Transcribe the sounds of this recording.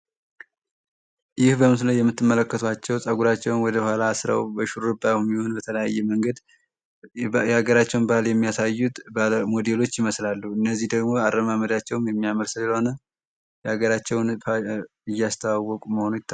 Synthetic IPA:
jɪhbəmɨsləjɛmːɨt̪ːɨmːələkːət̪ʰuat͡ʃːɛwsʼəɡuɾat͡ʃːɛwnwɔd̪əhʷalaːsɾa̰wbəʃuɾɾɨbawmiho̞nbət̪ʰələja̰jːɛməŋɡəd̪ | jaɡəɾat͡ʃːɛwnbahaljɛmːijasajːut̪bmo̞d̪elo̞t͡ʃːɪməslalːuɨnːəzːihd̪əɡmo̞aɾːəmaməd̪at͡ʃːɛwmjɛmːijaməɾsɨlɨəho̞nə | jaɡəɾat͡ʃːɛwn | ɨjːast̪ʰəwawːɔkʼuməho̞nujɪt̪ː

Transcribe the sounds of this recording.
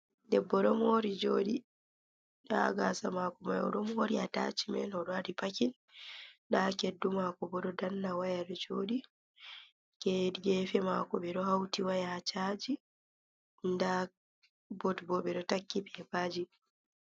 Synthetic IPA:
dɛbːɔɗɔmoːɾid͡ʒoːɗi | ɗa̰ɡaːsamaːkɔma̰jɔ̰ɗɔmoɾiata̰t͡ʃimɛ̰nɔɗɔadipakin | ɗakedːumakɔbɔɗɔdanːawajaɗɔd͡ʒoːɗi | kɛdɡɛfɛmakɔɓɛɗɔhawtiwajahat͡ʃaːd͡ʒi | nda | bɔtbɔɓɛɗɔtakːipɛbaːd͡ʒi

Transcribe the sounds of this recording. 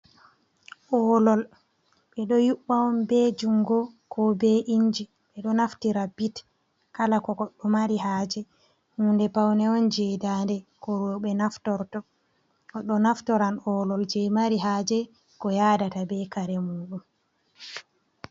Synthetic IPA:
ʔɔlɔl | ɓɛɗɔjuɓːaɔnbɛd͡ʒuŋɡɔkʰɔbɛʔiɲd͡ʒi | ɓɛɗɔnaftiɾabit | kalakɔɡɔɗːɔmaɾiɦaːd͡ʒɛ | hundɛpawnɛɔnd͡ʒɛdandɛkɔɾɔɓɛnaftɔɾtɔ | kɔɗːɔnaftɔɾanɔlɔld͡ʒɛmaɾiɦaːd͡ʒɛ | kɔjaːdatabɛkaɾɛmuːɗum

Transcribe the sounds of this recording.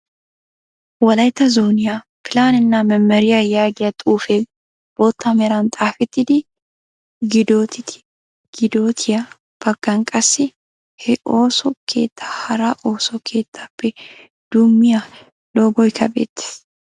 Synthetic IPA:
wɐlɐjt̪ɐzoːnɪja | fɪlaːnɪnːaːmɐmːɐɾɪjajaːɡɪjɐt̪ʼuːfɛ | b̥oːt̪ʰːɐmɛɾaːnt̪ʼaːfɪt̪ːɪd̪ɪ | ɡɪd̪oːt̪ɪt̪ɪ̥ | ɡ̥ɪd̪oːt̪ʰɪjɐ | b̥ɐɡːɐŋkʼɐsːɪ | hɛʔoːsɔkʰḛːt̪ːḁhɐɾaːʔo̞ːsɔkʰeːt̪ːɐbɛ | d̪̥ʊmːɪja | loːɡɔɪkʰɐbḛːt̪ːɪ̥

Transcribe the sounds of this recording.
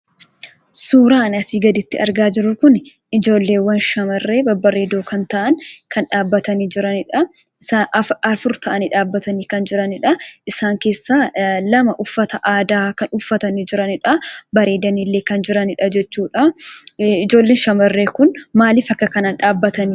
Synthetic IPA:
suːɾaːnɐsiːɡɐd̪ɪt̪ːɪɐ̰ɾɡaːd͡ʒɪɾʊkʊn | ɪd͡ʒo̞ːlːeːwːɐnʃɐmɐrːe̞ːbɐbɐɾeːd̪oːkɐnt̪ɐʔɐŋkʰɐnᶑaːbːɐt̪ɐniːd͡ʒɪɾɐnɪᶑɐ | saːɐɐfʊɾt̪ɐʔɐniᶑaːbːɐt̪ɐniːkɐnd͡ʒɪɾɐnɪᶑɐʔɪsaːŋke̞ːsːaːlɐmɐʔʊfːɐt̪ɐʔaːd̪aːkɐnʊfːɐt̪ɐnid͡ʒɪɾɐnɪᶑɐbɐɾe̞ːd̪ɐniːlːeːkɐnd͡ʒɪɾɐnɪᶑɐd͡ʒɛt͡ʃːuːᶑɐ | ɪd͡ʒo̞ːlːe̞ːnʃɐmɐrːe̞ːkʊnmaːlɪfɐkːɐkɐnaːnᶑaːbːɐt̪ɐni

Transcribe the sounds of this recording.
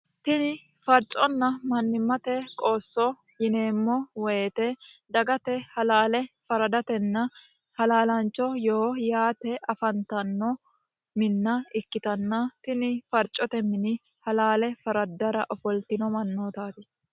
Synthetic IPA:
t̪ɪnɪ | fɐɾt͡ʃʼɔnːɐmɐnːɪmːɐt̪ɛkʼo̞ːsːɔ | jɪneːmːɔwɔeːt̪ɛd̪ɐɡɐt̪ɛhɐlaːlɛfɐɾɐd̪ɐt̪ɛnːɐ | hɐlaːlɐnt͡ʃːɔjoːjaːt̪ɛɐfɐnt̪ɐnːɔ | mɪnːɐɪkːɪt̪ɐnːɐt̪ɪnɪfɐɾt͡ʃʼːɔt̪ɛmɪnɪ | hɐlaːlɛfɐɾɐd̪ːɐɾɐʔɔfɔlt̪ɪnɔmɐnːoːt̪aːt̪ɪ

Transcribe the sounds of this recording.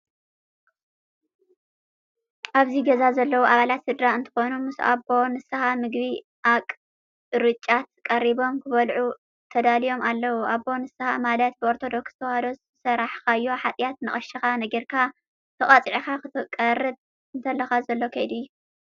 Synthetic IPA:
ʔaβziɡɐzazɐlːɐwuʔaβalat̪sɨd̪ɾaɨnt̪ʰɨ̥xo̞numɨsuʔaβo̞nɨsɨxamɨɡβi | ʔakʼ | ɾɨt͡ʃʼːat̪kʼɐɾiβo̞mkʰɨβɐlʕu | t̪ʰɐd̪alijo̞malːɐwuʔaβːo̞nɨsɨxamalɐt̪̚bɨo̞ɾt̪ʰo̞d̪o̞kst̪ʰɐwhɐd̪os | sɐɾaħkaɨjːoħat̪ʼjat̪nɨχʼɐʃixanɐɡɐɾkʰa | t̪ʰɨχʼɐt͡sʼʕixakɨt̪ʰɨkʼɐrɨd̪̚ | ɨnt̪ʰɐlːɐxazɐlːo̞kʰɐjd̪ɨjːu

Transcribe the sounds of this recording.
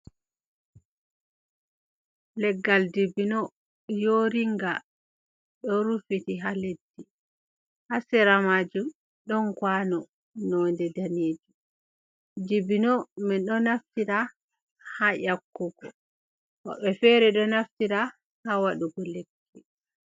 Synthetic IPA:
lɛɡːaldibinɔ | joɾiŋɡa | ɗɔɾufitiɦaledːi | hasɛɾamaːd͡ʒum | ɗɔnkwanɔ | nɔndɛdaneːd͡ʒi | dibinɔmɛɗɔnaftiɾa | hajakːuɡɔ | wɔ̰ɓɛfɛɾɛɗɔnaftiɾa | hawaɗuɡɔlɛkʰːɛ

